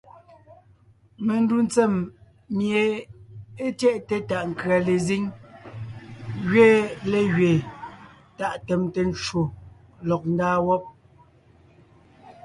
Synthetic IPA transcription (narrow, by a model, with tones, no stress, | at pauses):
me˨n˦du˦n˦t͡sɛ˦˨mː | je˨ | e˦tjɛ˦ʔte˨ta˦˨ʔŋ̩˨kɰa˨le˨zi˦ŋ | ɣɥeː˦le˨ɣɥeː˨ | ta˦˨ʔtɛ˨mte˨n˦t͡ʃwo˨ | lɔ˨k̚n̩˦daː˦wɔ˦p̚